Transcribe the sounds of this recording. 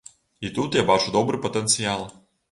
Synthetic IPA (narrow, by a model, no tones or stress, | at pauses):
it̪ut̪jabat͡ʃʊd̪ɔbɾɨpɐt̪ɛnt̪sɨalˠ